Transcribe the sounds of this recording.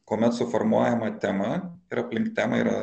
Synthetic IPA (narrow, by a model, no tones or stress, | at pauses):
koːmʲɛt̪sʊfɔɾmuɔjɛmɐt̪ʲɛmɐɪɾɐpʲlʲɪŋkt̪t̪ʲæːmɐḭːɾɐ̰